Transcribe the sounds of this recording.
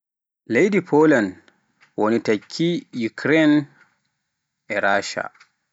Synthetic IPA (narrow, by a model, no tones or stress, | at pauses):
lejdipʰolan | wonitakʲʰːijukɾɛn | ʔɛɾaːʃa̰